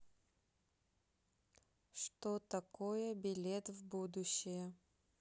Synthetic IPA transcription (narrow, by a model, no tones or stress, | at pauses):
ʂt̪ot̪ɐkojəbʲɪlʲet̪vbud̪ʊɕːɪjə